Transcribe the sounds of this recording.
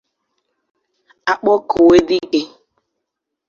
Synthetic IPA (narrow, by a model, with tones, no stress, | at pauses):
a˨k͡pɔ˦ko˨we˦dɪ˦ke˨˦